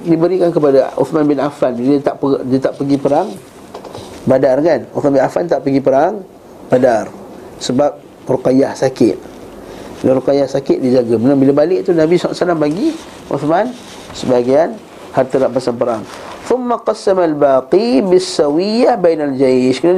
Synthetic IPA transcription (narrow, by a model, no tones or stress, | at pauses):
dibəɾikankəp̬adaʔʊ̰θmãnbɪnʔafanbit̪aʔədt̪aʔpəɡipəɾaŋ | badarkanʊθmanbɪnafant̪aʔpəɡipəɾaŋ | b̥adarsəbap̚ | rukajahsakɪ̰t̪̚ | laɾukajahsakɪʔ̪̚did͡ʒaɡamənabilabalɪʔt̪unabisala̰ʔsalampaɡi | ʔṵθman | səbaɡian | hart̪əlaʔpasanpəɾaŋ | θʊmːaqɑsamalbaːqibɪsːawijabajnald͡ʒajʃkəna